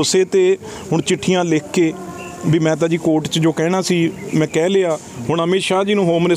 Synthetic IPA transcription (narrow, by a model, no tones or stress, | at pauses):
ʊseːt̪eː | ɦʊɳ̃t͡ʃɪʈʰːijãːleːkʰːeː | biːmɛ̃ːt̪̬ãːd͡ʒiːkoːʈt͡ʃd͡ʒoːkɛːɽ̃aːsiːmɛ̃ːkɛːleːaː | hʊɳɦəmeːʃaːd͡ʒiːnũːɦoːmne